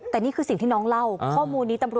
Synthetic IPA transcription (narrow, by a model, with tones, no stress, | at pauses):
t̪ɛː˨˩niː˥˩kʰɯː˧si˨˩t̪ʰiː˥˩ɔː˦˥ŋla˥˩wkʰɔː˥˩muː˧nːiː˦˥t̪a˧mɾu˨˩